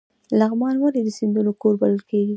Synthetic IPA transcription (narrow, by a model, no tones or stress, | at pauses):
laɣmɑnwaɾed̪əsind̪unokoɾbaləlkeɡi